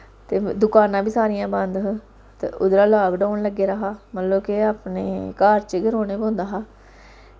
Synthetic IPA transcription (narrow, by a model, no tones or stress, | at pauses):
t̪eːd̪ʊkaːnãːbiːsaːɾɪjãːbənd̪ɦ | t̪ḛʔʊd̪ɾaːlaːbɖoːɳləɡːeːɾəɦaːmət̪loːkɪaːpneːkaːɾt͡ʃəɡəɾõːneːpõːnd̪aːɦaː